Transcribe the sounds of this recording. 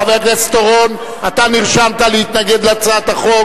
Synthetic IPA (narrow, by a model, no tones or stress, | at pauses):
aveʁlest̪oʁon | at̪aniʁʃamt̪alehit̪naɡed̪lat͡sat̪aχo̞